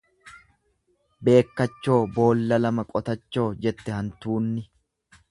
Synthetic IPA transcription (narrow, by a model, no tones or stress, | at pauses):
be̞ːkːɐt͡ʃːo̞ːbo̞ːlːɐlɐmɐkʼɔt̪ɐt͡ʃːo̞ːd͡ʒɛt̪ːɛhɐnt̪uːnːɪ